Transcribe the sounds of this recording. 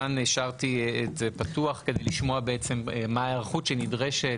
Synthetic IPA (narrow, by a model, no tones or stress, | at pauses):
aneʃaʁtietpatuaχke̞dejliʃmo̞abeet͡se̞mmaajaʁχutʃenidʁe̞ʃe